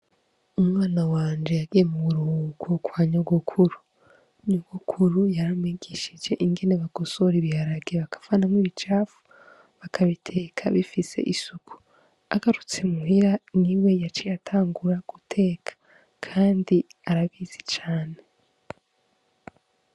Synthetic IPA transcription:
umŋaːnawaːnd͡ʒe̞jaɡijemuβuɾuhuːɡukwaːɲoɡukʰuɾu | ɲoɡ̥ukʰuɾujaɾamiɡ̥iʃid͡ʒe̞ʔiŋɡe̞neβaɡ̥o̞so̞ɾiβihaɾaɡeβakḁfanamŋwiβit͡ʃaːfu̥ | βakʰaβitʰe̞ːkʰaβifise̞̰ʔisukʰu̥ | aɡ̥aɾut͡semuɦiɾaniwe̞jat͡ʃijatʰaːŋɡuɾaɡ̥utʰe̞ːkʰḁ | kʰaːndiaɾaβiːzi̥t͡ʃaːne̞

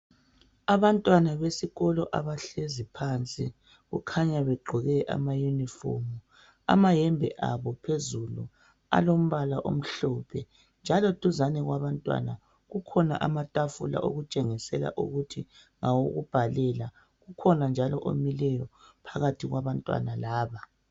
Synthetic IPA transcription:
aβantʼwanaβesiɣɔlɔʔaβaɬezipʰaːnt͡sʼi | ɣṵkʰaɲaβeɡ͡ǃʱuɣɛʔa̰majunifo̰mu | a̰majɛmbʱɛ̰ʔaβɔpʰezulṵ | a̰lom̩βalaʔo̰m̩ɬɔpʰɛ | nd͡ʒʱalɔtuzanɛɣwaβantʼwa̰na | ɣukʰɔna̰ʔamatʼafula̰ʔoɣut͡ʃʼeŋisɛla̰ʔṵɣutʰiŋawoɣṵb̥ʱalɛla | ɣukʰɔnand͡ʒʱalɔʔo̰milɛjɔpʰaɣatʰiɣwaβantʼwa̰nalaːβa

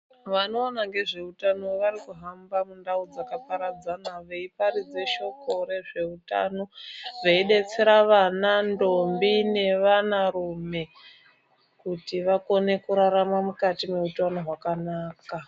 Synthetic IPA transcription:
ʋano̞ːnaŋɡe̞ʐe̞utano̞ʋaɾikuɦambamundaud͡zakapaɾad͡zanaʋe̞ipaɾid͡ze̞ʃo̞ko̞ɾe̞ʐe̞uta̰no̞ʋeiɗe̞t͡se̞ɾaʋanando̞mbine̞ʋanaɾume̞ | kutiʋako̞ne̞kuɾaɾamamukatime̞utano̞ɦwakanaːka

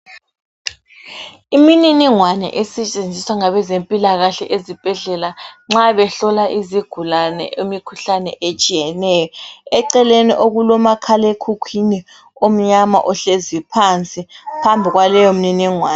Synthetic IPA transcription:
imininiŋwanɛ̰ʔesit͡ʃʼend͡zʱiswaŋaβɛzempʼilaɣaɬɛʔezib̥ʱɛɮɛlaŋ͡ǁaβɛɬɔlaʔiziɡ̥ʱulanɛ̰ʔemikʰuɬanɛ̰ʔet͡ʃʼijɛnɛːjɔɛǀɛlenḭʔoɣulɔmakʰalekʰukʰini | om̩ɲama̰ʔɔɬezipʰant͡sʼipʰambʱiɣwalɛjɔm̩niniŋwaːnɛ

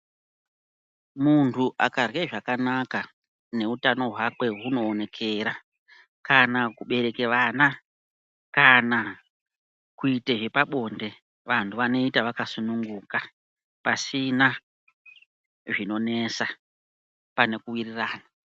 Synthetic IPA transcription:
muntʰuʔakarweʐakanaka | ne̞utano̞ɦwakwe̞ɦuno̞ːne̞kʰe̞ɾa | kanakuɓe̞ɾe̞keʋana | kana | kuiteʐe̞paɓo̞nde̞ | ʋantʰuʋano̞itaʋakasunuŋɡuka | pasina | ʐino̞ne̞sa | pane̞kuwiriraːna

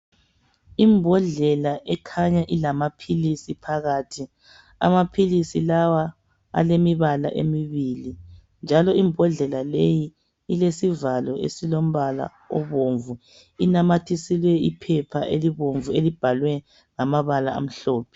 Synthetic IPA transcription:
imbʱɔɮɛlaʔɛkʰaɲaʔilamapʰilisipʰaɣaːtʰi | a̰mapʰilisilawa | a̰lemiβala̰ʔḛmiβili | nd͡ʒʱalɔimbʱɔɮɛlaleji | ilesivalɔḛsilom̩βala̰ | ɔβoɱvu | inamatʰisilwɛipʰɛpʰaʔeliβoɱvuelib̥ʱalwɛ | ŋamaβalaa̰m̩ɬɔːpʰɛ̥

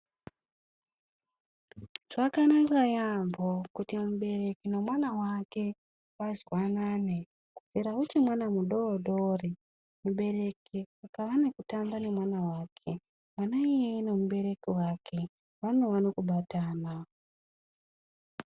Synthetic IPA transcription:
ʐ̥akanakajambokutimuɓe̞re̞kinomwanawake̞ | wazwanane | kuviɾaut͡ʃimwanamuɗoːɗo̞ri | muɓe̞re̞kiakaʋanekutambane̞mwanawaːkʰe̞ | mwanaijene̞muɓe̞ɾe̞kiwakʰe̞ | ʋanowanokuɓataːna

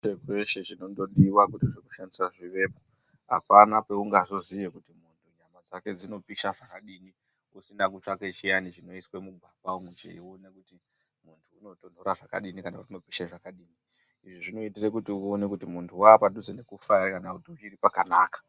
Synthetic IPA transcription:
t͡ʃekwe̞ʃe̞ʐino̞ndo̞ɗiwakutiʐiku̥ʃandisaʐiʋe̞ːpo | a̰panape̞uŋɡazo̞zije̞kutimuntʰuɲamad͡zake̞d͡zino̞piʃaʐakaɗini | usindak̬ut͡ʃaket͡ʃijanit͡ʃino̞iswemuɡʱwabaumwut͡ʃḛḭone̞kuti | muntʰuːno̞to̞n̤oɾaʐaka̰ɗinikanakutino̞piʃaʐakaɗiːni | iʐiʐino̞itire̞kutiuo̞ne̞kutimuntʰuwaːpadud͡zene̞kufarakanakutiut͡ʃiripakanaːkḁ

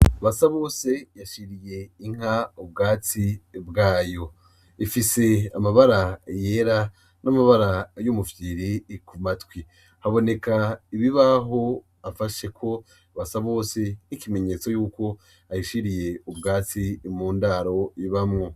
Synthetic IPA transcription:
aβasaβo̞ːse̞jaʃiɾije̞iŋ̥aub̚ɡaːt͡sibɡaːjo̞ | ifise̞amaβaɾaje̞ːɾa | nʔamaβaɾajumufjiɾikumatwi | haβo̞ne̞kaiβiβaɦo̞ | afaʃe̞kʰo̞ | βasaβo̞ːse̞nikime̞ɲe̞t͡so̞juːko̞ | ajiʃiɾije̞ubɡaːt͡simuːndaɾo̞iβamŋo̞

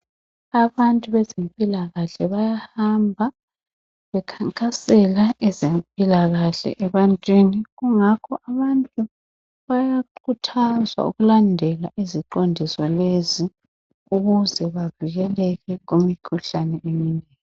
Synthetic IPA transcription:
aβantʼuβɛzempʼilaɣaɬɛβajahambʱa | βɛkʰaŋkʼasɛlaʔɛzempʼilaɣaɬɛ̰ʔɛβantʼweniɣuŋakʰɔʔaβantʼu | βajaǃʰutʰazwa̰ṵɣulandʱɛlaʔiziǃondʱisɔlezi | uɣuzɛβaviɣɛlɛɣɛɣomikʰuɬanɛʔeminɛːŋi

